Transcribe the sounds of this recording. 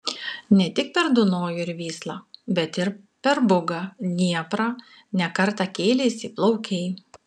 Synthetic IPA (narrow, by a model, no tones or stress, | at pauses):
nʲɛt̪ʲɪk̚pʲɛɾd̪ʊnoːjʊɪɾʋʲiːslˠɑːbʲɛt̪ɪɾ | pʲɛɾbʊɡɑnʲiɛpɾɑ | nʲɛkɐɾt̪ɑkʲeːlʲeːsʲiplˠɔʊkʲɛɪ